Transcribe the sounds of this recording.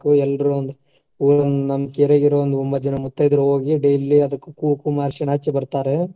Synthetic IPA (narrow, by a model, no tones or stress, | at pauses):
kːuɛlɾund̪ | uːɾɐnunɐmɐkeɾeɡiɾoʋond̪uɔmbɐd͡ʒɐnɐmut̪ːɐjid̪ɾuɦoːɡiɖejlːiɐd̪ɐkːukuːkumaːɾʃiɳaːt͡ʃːibɐɾt̪aːɾe